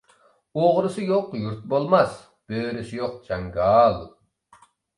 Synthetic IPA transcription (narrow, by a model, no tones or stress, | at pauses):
oʁɾɨsɨjoqjuɾt̪̚bolˠmɑs | b̥øːɾɪsɪjoq̚d͡ʒɑŋɡɑlˠ